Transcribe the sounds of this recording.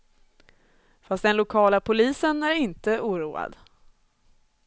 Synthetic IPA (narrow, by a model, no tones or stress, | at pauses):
fast̪̚d̪ɛnlʊkʰɑːlapʰʊliːsənæɾɪnt̪əʔuːɾuːa̰d̪